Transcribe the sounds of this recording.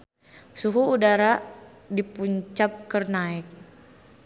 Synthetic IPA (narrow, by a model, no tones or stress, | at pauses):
suɦuːdaɾa | dipuɲt͡ʃap̚kərnaɛk̚